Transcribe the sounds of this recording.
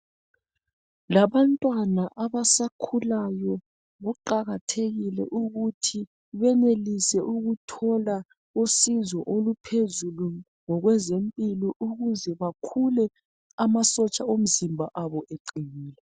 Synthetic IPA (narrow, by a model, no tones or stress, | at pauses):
laβantʼwanaʔaβasakʰulajɔ | βuǃaɣatʰeɣilɛ̰ʔuɣutʰi | βɛnelisɛʔuɣutʰɔla | usizɔʔolupʰezulu | ŋɔɣwɛzempʼilɔʔuɣuzɛβakʰulɛ | amasɔt͡ʃʼaom̩zimbʱaʔaβɔʔeǃiniːlɛ